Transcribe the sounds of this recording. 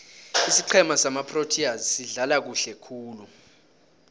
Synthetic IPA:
isiǃʰɛmasamapʰrotʰiazisiɮalak̬uɬɛkʰuːlu

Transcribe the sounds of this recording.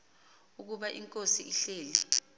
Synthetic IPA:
uk̬uɓaʔiŋkʼosiʔiɬeːli

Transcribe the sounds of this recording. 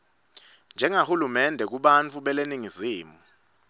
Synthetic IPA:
nd͡ʒʱɛŋahulumɛndʱɛk̬uɓant͡fʰuɓɛleniŋiziːmu

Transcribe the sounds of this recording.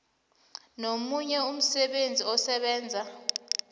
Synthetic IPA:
nomuɲɛum̩sɛɓend͡zʱiɔsɛɓɛːnd͡zʱa

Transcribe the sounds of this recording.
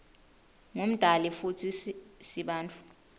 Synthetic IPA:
ŋum̩d̥ʱalifutʰisiɓaːnt͡fʰʼu̥

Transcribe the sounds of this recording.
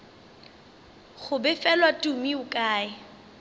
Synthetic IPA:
χʊbɛfɛlwatʼumiʊkʼaːɪ

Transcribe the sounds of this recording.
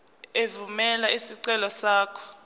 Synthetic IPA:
evumɛlaisiǀɛlɔsaːkʰɔ̥

